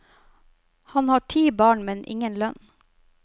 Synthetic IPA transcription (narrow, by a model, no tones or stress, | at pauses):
hɑnhɑːʈʰiːbɑːɳmɛnʔɪ̰ŋənlœn